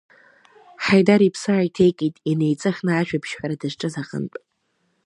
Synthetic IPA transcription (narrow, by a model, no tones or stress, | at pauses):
ħajdaɾipʰsɨajtʰejkʼitʼine̞jt͡sʼɨχʲnɨaʃᶣabʰʃħʷᶣaɾadɨʐʈ͡ʂʼɨzaqʼə̰ntʼ